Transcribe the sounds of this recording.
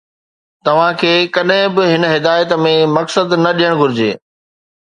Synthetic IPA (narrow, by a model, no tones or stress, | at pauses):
t̪ɐʋ̤ãkʰeːkɐɗɦɪ̃bɪɦɪnəɦɪd̪aːjət̪mẽmɐksəd̪nɐɗijəɽ̃ɡʱʊɾɪd͡ʑḛː